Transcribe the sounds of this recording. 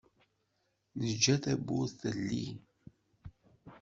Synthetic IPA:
nəd͡ʒːæθæbuθəlːḭ

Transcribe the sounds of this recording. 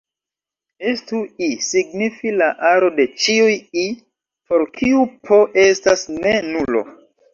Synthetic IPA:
estuisiɡ̚nifilaʔaɾo̞de̞t͡ʃiuji | po̞ɾkʰiupʰo̞ʔe̞stasne̞nulo̞̰

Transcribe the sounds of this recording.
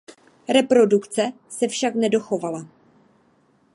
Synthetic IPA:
ɾɛpɾo̞dukt͡sɛ | sɛfʃaknɛdo̞xo̞vala

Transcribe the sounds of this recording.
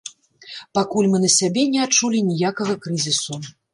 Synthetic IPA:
pakulʲmɨnɐsʲabʲɛnʲɛat͡ʂulʲinʲijakɐɣɐkɾɨzʲisu

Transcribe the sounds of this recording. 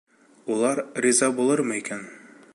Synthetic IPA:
ulˠɑɾrizɑbulˠɤɾmɤikæn

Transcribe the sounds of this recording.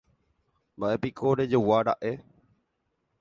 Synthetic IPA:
baʔepikʰoɾed͡ʒowaɾa̰ʔe

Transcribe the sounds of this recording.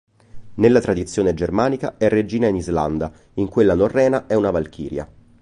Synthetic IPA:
nelːat̪ɾad̪it̪sːjoːned͡ʒermaːnika̰ɛrːed͡ʒiːnainizla̰nd̪a | iŋkwelːanorːɛːnaʔɛunavalkʰḭːɾja̰

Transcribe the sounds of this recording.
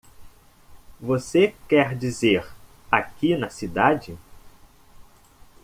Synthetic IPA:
vosekɛɾd͡ʒizeɾ | akinɐsid̪ad͡ʒɪ

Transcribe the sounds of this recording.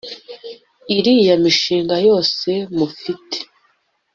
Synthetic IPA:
iɾijamiʃiːŋɡajo̞ːse̞mufite̥

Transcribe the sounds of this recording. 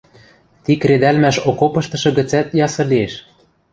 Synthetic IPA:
t̪ikɾed̪ælmæʃokopɤ̆ʃt̪ɤ̆ʃɤ̆ɣɘ̆t͡sæt̪jɑsɤ̆lieʃ

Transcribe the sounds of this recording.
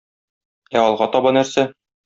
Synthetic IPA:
æɒlˠʁɑt̪ɒbɑnæɾsæ

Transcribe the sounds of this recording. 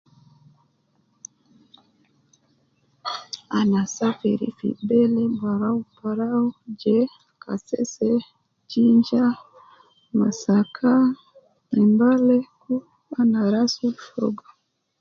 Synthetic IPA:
anasafiɾḭfḭbɛlɛmbaɾaupaɾaud͡ʒɛ | kʰa̰sɛ̰sɛ | t͡ʃiɲd͡ʒa | masakʰa | nimbalɛku | anaɾasuʃɔ̰ɡa

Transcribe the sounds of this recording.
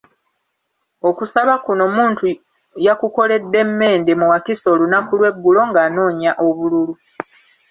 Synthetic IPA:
o̞kusaβakuno̞muːntu | jakuko̞le̞dːe̞mːe̞ːndemuwakiso̞ːlunakulwe̞ɡːulo̞ŋɡaːno̞ːɲaʔo̞βululu

